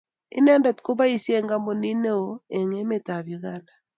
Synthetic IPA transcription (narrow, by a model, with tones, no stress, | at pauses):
ḭ˦n˦a˦nda˨tko˦ba˦i˨si˦e˦˨ŋɡa˦mo˨ni˦ne˦o˨e˨ŋe˦me˦˨ta˨βjo˨ɣa˦nda˨